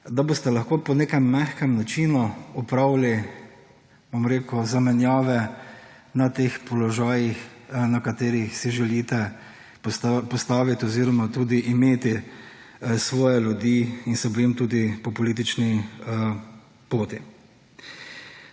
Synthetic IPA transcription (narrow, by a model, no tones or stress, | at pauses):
d̪aboːst̪ɛlɐxkoːpɔneːkɛmːɛxkɛmnat͡ʃiːnuupɾawli | bomɾeːkuzamɛnjaːʋɛ | nat̪eːxpɔlɔʒaːjixnakat̪eːɾixsiʒɛliːt̪ɛ | pɔst̪aːʋit̪ɔziːɾɔmat̪uːd̪iʔimeːt̪i | sʋɔːjɛlʲjud̪iːinsɛbojimt̪uːd̪ipɔpɔliːt̪̬it͡ʃni | poːt̪i